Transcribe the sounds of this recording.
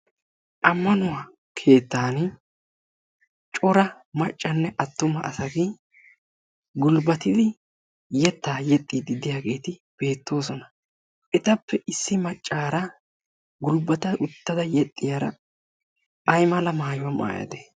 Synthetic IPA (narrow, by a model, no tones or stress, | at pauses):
ʔɐmːɐnʊwaː | kʰe̞ːt̪ːaːn | t͡ʃʼɔɾɐ | mɐt͡ʃʼːɐnːɛʔɐt̪ːʊmɐʔɐsɐɡi | ɡʊlbɐt̪ɪd̪ɪ | jɛt̪ːaːjɛt̪ʼːiːd̪ɪd̪ɪjaːɡe̞ːt̪ɪb̥e̞ːt̪ːo̞ːsɔnɐ | ʔɛt̪ɐpːɛʔɪsːɪmɐt͡ʃʼːaːɾɐ | ɡʊlbɐt̪ɐʔʊt̪ːɐd̪ɐjɛt̪ʼːɪjaɾɐ | ɐjmɐlɐmaːjʊwama̰ːjɐ̰d̪ɛ